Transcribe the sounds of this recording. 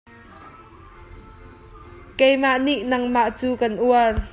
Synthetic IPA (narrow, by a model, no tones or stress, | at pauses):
kɛjmaʔniʔnɐŋmaʔt͡suːkɐnʔuər